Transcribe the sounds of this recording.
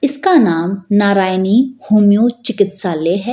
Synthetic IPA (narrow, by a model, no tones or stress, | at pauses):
ɪskanaːmnaːɾaːjniːhuːmjoːt͡ʃɪkɪt̪saːleːɦɛ